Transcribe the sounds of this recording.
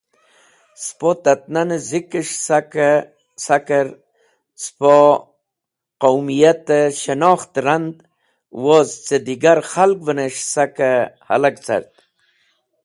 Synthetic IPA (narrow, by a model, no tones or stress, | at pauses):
spot̪at̪̚nanəzikəʂsakə | sakəɾ | spo | qawmijat̪əɕənɑːxt̪ɾand̪ | wozt͡sed̪iɡaɾxalk̚vəneʂsakaha̰lakt͡sa̰ɾt̪̚